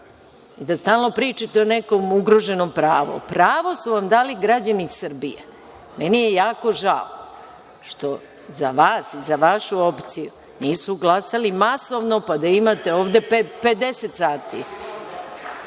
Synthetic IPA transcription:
id̪ast̪aːlno̞pɾiːt͡ʃat̪eoneko̞muɡɾo̞ʒe̞nompɾaːʋo̰pɾaːʋo̞suʋamd̪aːliɡɾad͡ʑanisɨr̩ɾbḭjḛ | me̞nijejaːko̞ʒao | ʃt̪o̞ | zaʋaːsizaʋaʃuo̞pt̪siju | niːsuɡlˠasalimaso̞ʋnopad̪aimat̪e̞o̞ːʋd̪e̞peped̪e̞set̪saːt̪ḭ

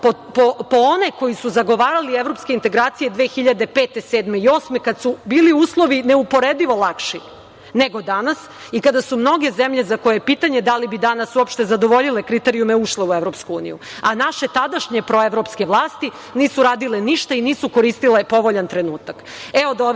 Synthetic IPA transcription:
popopoone̞ko̞jisuzaɡo̞ʋaːɾalievɾo̞pskeint̪e̞ɡɾaːt̪sije̞d̪ʋe̞ːxiʎad̪e̞peːt̪eseːd̪me̞io̞ːsme̞kad̪subiːliuːslˠo̞ʋineupo̞ɾed̪iʋo̞lˠakʃi | neɡo̞d̪anas | ikad̪asumno̞ɡe̞zemʎe̞zako̞jepiːt̪aɲe̞d̪alibid̪anasuopʃt̪ezad̪o̞ʋo̞ʎile̞kɾit̪eɾijumeuʃleueʋɾo̞pskuuːnḭjṵ | anaʃe̞t̪ad̪aʃɲe̞pɾo̞eʋɾo̞pske̞ʋlˠaːst̪i | niːsuɾaːd̪ileniʃt̪ainiːsuko̞ɾiːst̪ile̞po̞ʋo̞ʎant̪ɾe̞nuːt̪ak | eod̪oʋ

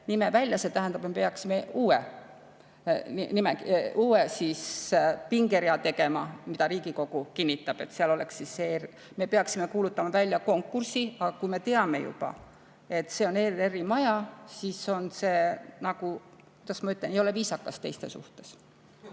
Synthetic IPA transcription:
nimevælʲjɑse̞t̪æɦænd̪ɑb̥emepeɑksimeuːḛ | inimeuːesispiŋɡe̞ɾiɑt̪e̞ɡe̞mɑmid̪ɑɾiːɡ̥iko̞ɡ̥ukinʲːit̪ːˑɑb̥e̞t̪seɑlole̞ksːiser | me̞peɑksime̞kuːlut̪ːˑɑmɑvælʲjɑko̞ŋkːursiɑɡɑkujme̞t̪e̞ɑme̞̰jṵb̥ɑ̰ | e̞t̪ːse̞o̞ne̞re̞rimɑjɑsiso̞nse̞ːnɑɡ̥u | kujd̪ɑsmɑyt̪lenejo̞le̞viːsɑkːˑɑst̪e̞jst̪e̞sṵht̪e̞s

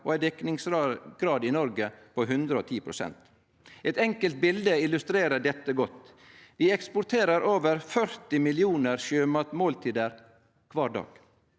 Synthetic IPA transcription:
oːæɪd̪ɛknɪŋsɡ̥ɾɑːd̪ɪnɔɾɡəpʰoːɦʉnd̪ɾəoːt̪ʰiːpʰɾʊsɛ̰nt̪ | ɛt̪ɛŋkəlt̪̚bɪld̪əɪlʉst̪ɾeːɾəɖɛt̪ːəɡɔt̪ | ʋɪɛkspʊɾt̪ʰeːɾəɾʔoːʋəɾfœɾt̪ɪmɪlɪuːnəɾʃøːmɑt̪moːlt̪ʰiːd̪əɾ | kʰʋɑːɖɑ̰ːɡ̥

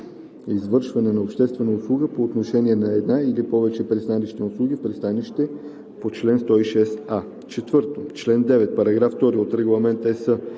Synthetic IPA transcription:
izvɤɾʃvɐnɛnɐopʃt̪ɛst̪vɛnəʊslˠuɡəpoːt̪noʃɛnʲiɛnɐɛd̪nailipɔvɛt͡ʃɛpɾist̪aniʃt̪ɛnʊslˠuɡʲifpɾist̪aniʃt̪ɛ | pot͡ʃlɛnst̪ɔiʃɛsa | t͡ʃɛt̪vɤɾt̪ot͡ʃlɛnd̪ɛvɛt̪̚pɐɾɐɡɾaft̪ɔɾiot̪ɾɛɡlˠɐmɛnt̪ɛsə

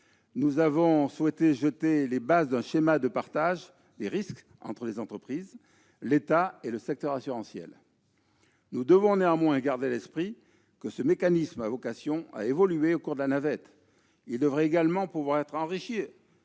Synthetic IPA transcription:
nuzavɔ̃swɛt̪eʒət̪elebazd̪ɛ̃ʃemad̪əpaʁt̪aʒ | d̪eʁisk | ɑ̰̃t̪χəlezɑ̃t̪χəpχiz | let̪aeləsɛk̚t̪œʁasyʁɑ̃sjɛ̰l | nud̪əvɔ̃neɑ̃mwɛ̃ɡaʁd̪elɛspχi | kəsəmekanismavɔkasjɔ̃a̰evɔlyeokuʁd̪əlanavɛt̪ | ild̪əvʁɛeɡalmɑ̃puvwaʁɛt̪χɑ̃ʁiʃe

